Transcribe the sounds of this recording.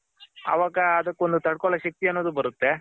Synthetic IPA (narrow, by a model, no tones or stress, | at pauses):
ɐ̰ʋaːɡɐːd̪ɐkːond̪ut̪ɐɽkɔɭɐʃɐk̚t̪iɐnːoːd̪ubɐɾut̪ːe̞